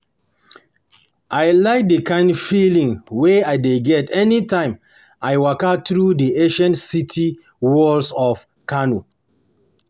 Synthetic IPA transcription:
ʔajlaɪk̚dəkãɪ̃ndfilĩŋweajdeɡɛtɛnitãɪ̃m | ajwakatɹudieʃãnsitʰi | wɔlsɔf | kanu

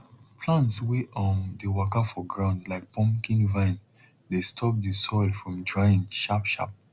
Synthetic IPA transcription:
pʰlãntsweʔʔɔ̃ndəwakafɔɡɹãʊ̃ndlaɪk̚pʰɔ̃mkĩnvãɪ̃n | destʰɔp̚disɔɪlfɹɔ̃mdɹaɪĩnʃapʃa̰p̚

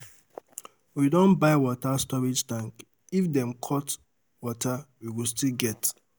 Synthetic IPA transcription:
widõnbaɪwɔtastɔɹid͡ʒtãŋk | ifdɛ̃mkʰɔt | wɔtʰawiwilstilɡɛt

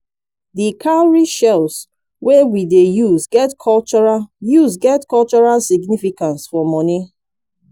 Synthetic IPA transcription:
dikʰalɹiʃɛls | wɛwidejuzɡɛtkʰɔlt͡ʃɔɹajuzɡɛtkɔlt͡ʃɔɹalsiɡnifikãnsfɔmɔni

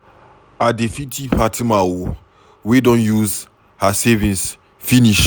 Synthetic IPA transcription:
adefitʰipʰatʰimawo | wedɔ̃njuz | hasɛvĩns | finiʃ

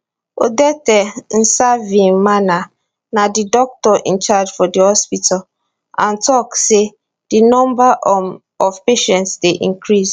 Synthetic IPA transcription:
o̰dɛtɛn̩savĩŋmana | nadidɔk̚tɔʔḭ̃nt͡ʃad͡ʒfɔdihɔspitʰal | ãntɔkse | d̥inɔ̃mbaʔ | ɔvpeʃɛ̃ntsdeʔḭ̃ŋkʰɹis

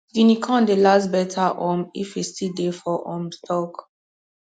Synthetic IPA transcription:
ɡinikʰɔ̃ndelasbɛtʰaʔomḭfistidefɔʔɔ̃mtʰɔk

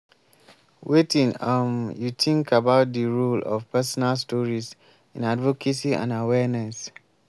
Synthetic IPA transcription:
wetĩŋɔ̃mjutʰĩŋkʰabaʊt̚diɹulɔ̰fpɛsɔnalstɔɹis | ḭ̃nadvɔkʰesiã̰nawɛnɛs

